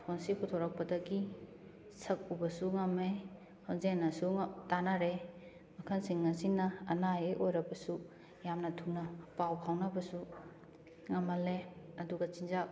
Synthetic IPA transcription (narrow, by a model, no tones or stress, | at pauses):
pʰonsipʰutʰoɾɐk̚pɐdɐɡi | sɐk̚ubɐsuŋɐme | hɔnzenɐsuŋtanaɾe | mɐkʰɐnsiŋːɐsinːɐːnajeʔojɾɐbɐsu | jamnɐtʰunɐpawpʰawnɐbɐsu | ŋamɐleɐduɡɐt͡ʃind͡ʒa